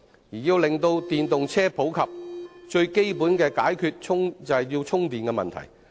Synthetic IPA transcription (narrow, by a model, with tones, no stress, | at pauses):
jiː˨˩jiː˧wlɪ˨ŋt̪o˧wt̪iː˨nt̪ʊ˨ŋt͡sʰɛː˥pʰo˨˥wkʰɐ˨p̚t͡ʃɵ˧ɥke˥jpu˨˥nkɛː˧kaː˨˥jkʰyː˧t̚t͡ʃʰʊ˥ŋt͡sɐ˨jiː˧wt͡ʃʰʊ˥ŋt̪iː˨nkɛ˧mɐ̰˨nt̪ʰɐ̰˨˩j